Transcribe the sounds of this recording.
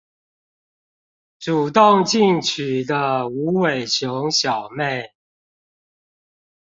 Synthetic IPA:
ʈ͡ʂu˨˩t̪o˥˨˧ŋt͡ɕi˥˩ŋt͡ɕʰy˨˩d̪ə˦u˨˥we˨˩ɪt͡ɕʰjo˧˦ŋɕjɑ˨˩ʊme˥˩ɪ

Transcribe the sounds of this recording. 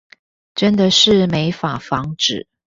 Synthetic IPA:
ʈ͡ʂə˦nd̪ə˨ʂɻ̩˥˩me˧˥ɪfa˨˩fɑ˧˥ŋʈ͡ʂɻ̩˨˩˦

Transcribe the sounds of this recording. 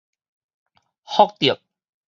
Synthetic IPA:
hɔ˥k̚t̪i˨˩əp̚

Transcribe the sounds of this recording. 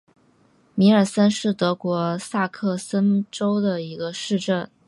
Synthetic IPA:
mi˧˥ə˞˨˩sə˥nʂɻ̩˥˩t̪ɤ˧˥kwɔ˧˥sa˥˧kʰɤ˥˩sə˥nʈ͡ʂo˥ʊd̪ə˨i˧˥ɡə˧ʂɻ̩˥˧ʈ͡ʂə˥˩n

